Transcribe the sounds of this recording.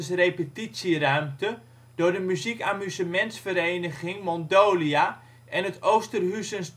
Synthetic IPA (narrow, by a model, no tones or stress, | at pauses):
əsrejpətisjirœɥmtə | d̥ʊːrdəmyzikamyzəmɛnsfəɾeːnəɣɪŋmɔndoːlia | ʔɛnətowstərɦysəns